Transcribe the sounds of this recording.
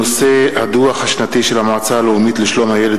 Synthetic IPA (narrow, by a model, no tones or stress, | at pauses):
ose̞ad̪uaχhaʃnat̪iʃelhamaʕat͡saloumit̪liʃlo̞mhajele